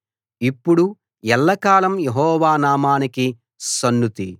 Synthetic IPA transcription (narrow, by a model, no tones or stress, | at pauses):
ipːuɽu | ɛlːɐkaːlɐmjeɦɔːʋaːnaːmaːniki | sɐnːut̪i